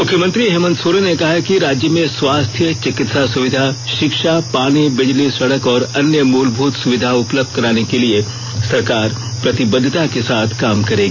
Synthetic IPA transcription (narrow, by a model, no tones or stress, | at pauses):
mʊkʰjəmə̃nt̪ɾiɦeːmə̃nd̪soːɾenekɐɦakiɾaːd͡ʒjəmẽswaːst̪ʰjət͡ʃɪkɪt̪sasʊʋɪd̪ʱaʃɪkʃapaːɽ̃ibɪd͡ʒlisɐɽəkɔːɾɐnjəmuːlbʱuːt̪sʊʋɪd̪ʱaʊpləb̚d̪̚kɐɾaːnekelie | sɐɾkaːɾ | pɾɐt̪ɪbəd̪ʱːɪt̪akesaːt̪ʰkaːmkɐɾẽːɡiː